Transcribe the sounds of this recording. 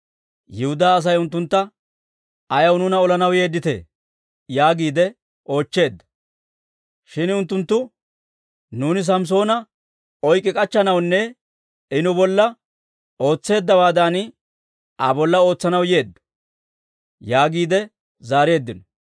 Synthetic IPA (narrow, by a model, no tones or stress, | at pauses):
jɪhʊd̪aːs̬ɐjʊnt̪ːʊnt̪ːɐ | ɐjɐwnʊnɐɔlɐnɐwje̞ːd̪ːɪt̪e̞̰ː | jaːɡiːd̪ɛ | ʔo̞ːt͡ʃːe̞ːd̪ːɐ̥ | ʃɪnʊnt̪ːʊnt̪ːʊ | nuːnɪs̬ɐms̬o̞ːnɐ | ɔjkʼːɪkʼɐt͡ʃːɐnɐwnːɛ | ɪnʊbɔlːɐ | o̞ːt͡sːe̞ːd̪ːɐbaːd̪ɐn | ɐbɔlːɐo̞ːt͡sːɐnɐwje̞ːd̪ːɐ̥ | jaːɡiːd̪ɛ | zaːɾe̞ːd̪ːɪnɔ